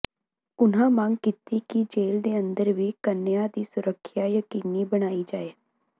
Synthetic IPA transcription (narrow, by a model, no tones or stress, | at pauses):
ʊnãːmãŋɡkɪt̪iːkid͡ʒeːld̪eːə̃nd̪əɾʋiːkənːɪjãːd̪iːsʊɾəkʰːjaːjəkiːniːbəɽ̃aːiːd͡ʒaːeː